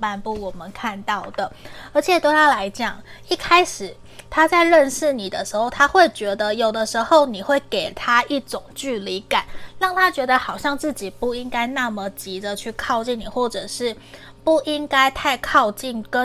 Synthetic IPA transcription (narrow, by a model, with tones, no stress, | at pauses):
pa˥˧npu˥˩wɔ˨˩mə˦nkʰa˥˧nt̪ɑ˥˩ʊd̪ə˩ə˞˧˥t͡ɕʰjɛ˨˩t̪we˥˩ɪt̪ʰa˥la˧˥ɪt͡ɕjɑ˨˩˦ŋ | i˥˩kʰa˥ɪʂɻ̩˨˩ | t̪ʰa˥t͡sa˥˧ɪɻə˥˧nʂɻ̩˥˩ni˨˩d̪ə˦ʂɻ̩˧˥xo˥˩ʊt̪ʰa˥xwe˥˩ɪt͡ɕɥɛ˧˥d̪ə˧jo˨˩ʊd̪ə˦ʂɻ̩˧˥xo˥˩ʊni˨˩xwe˥˩ɪke˨˩ɪt̪ʰa˥i˥˩ʈ͡ʂʊ˨˩ŋt͡ɕy˥˩li˧˦˥ka˨˩˦nɻɑ˥˩ŋt̪ʰa˥t͡ɕɥɛ˧˥d̪ə˧xɑ˨˩ʊɕjɑ˥˧ŋt͡sɹ̩˥˩t͡ɕi˨˩pu˥˩i˦ŋka˥ɪna˥˩mə˨t͡ɕi˧˥d̪ə˨t͡ɕʰy˥˧kʰɑ˥˧ʊt͡ɕi˥˩nni˨˩xwɔ˥˩ʈ͡ʂɤ˨˩ʂɻ̩˥˩ | pu˥˩i˦ŋka˥ɪt̪ʰa˥˧ɪkʰɑ˥˧ʊt͡ɕi˥˩nkə˦